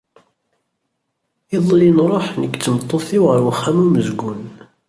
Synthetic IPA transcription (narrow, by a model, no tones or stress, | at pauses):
iðˤlinɾˤoħnəkːt͡sːəmt̪ˤːoθiwʁəɾwχːæmuməzɡun